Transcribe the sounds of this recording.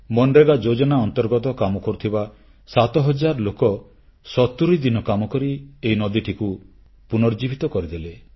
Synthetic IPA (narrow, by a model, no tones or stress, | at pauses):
mɔnɾeɡad͡ʒod͡ʒɔnaɔnt̪ɔɾɡɔt̪ɔkamɔkɔɾut̪ʰiba | sat̪ɔɦɔd͡ʒaɾɔlokɔ | sɔt̪uɾid̪inɔkamɔkɔɾieinɔd̪iʈʰiku | punɔɾd͡ʒibʱit̪ɔkɔɾid̪ele